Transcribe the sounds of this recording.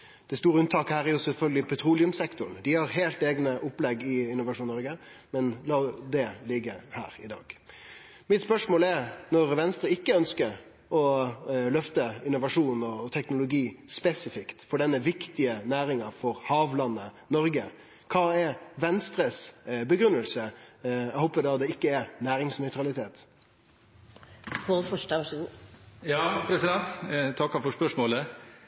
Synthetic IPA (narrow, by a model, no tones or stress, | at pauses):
d̪̥ɛst̪uːɾəʉnt̪ʰɑːkəhæːɾæɾjʊsɛlfœlɡəlɪpʰɛt̪ʰɾuːlɪʉmsɛkt̪ʊnd̪ɪhɑɾɦeːlt̪eːɡnəʔʊpːlɛɡɪɪnːʊʋɑʂuːnnːɔɾɡə | mɛnlɑːd̪ɛlɪɡːəhæ̰ːɾɪd̪ɑ̰ːɡ̥ | mɪt̪spœʂmoːlɛɾnɔɾʋɛnst̪ɾəɪkːəœnskəɾ | ɔlœft̪əɪnːʊʋɑʂuːnɔt̪ʰɛknʊlʊɡiːspɛsɪfɪkt̪fɔɖɛnːəʋɪkt̪ɪənæːɾɪŋɑfɔɾhɑːʋlɑnːə | nɔɾɡə | kʰɑːɛɾʋɛnst̪ɾəsbəɡɾʉnːəlsəɛhɔːpəd̪ɑd̪ɛɪkːəɛɾnæːɾɪŋsnœʏt̪ɾɑlɪt̪ʰeːt̪ | kʰofɔʃʈə | jɑːpʰɾɛsɪd̪ɛnt̪t̪ʰɑkːɑfɔʂpœʂmoːlə